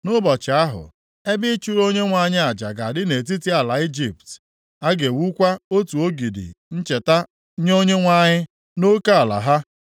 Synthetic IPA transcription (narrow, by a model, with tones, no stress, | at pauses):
nʊ˦bɔ˨t͡ʃɪ˨a˦ɦʊ̰˨ | e˦bɪ˦t͡ʃu˦ɾo˦ɲe˦ŋʷa˦ɲɪ˦a˨d͡ʒa̰˨ɡa˨dɪ˦ne˨t̬i˦ti˦a˨la˨i˦d͡ʒi˨pt | a˦ɡe˨wu˦kʷa˦o˦tu˨o˦ɡi˨dɪ̰˨n̩˦t͡ʃe˨ta˦ | ɲ˦o˦ɲe˦ŋʷa˦ɲɪ˦ | no˦ka˦a˨la̰˨ɦa˦